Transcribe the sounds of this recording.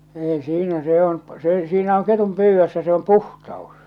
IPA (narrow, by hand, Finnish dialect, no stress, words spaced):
ei siːnæ se on siːnæ oŋ ketum pyːʋːøsːæ se om puhtɑos